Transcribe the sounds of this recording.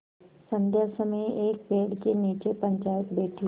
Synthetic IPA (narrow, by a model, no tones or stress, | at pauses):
sə̃nd̪ʱjasəməejʔeːk̚peːɽkeniːt͡ʃepə̃ɲt͡ʃaːjɪt̪beːʈʰi